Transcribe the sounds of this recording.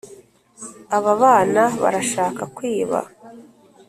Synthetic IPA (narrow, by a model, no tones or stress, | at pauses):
aβaβaːnaβa̰ɾaʃaːkakwiːβa̰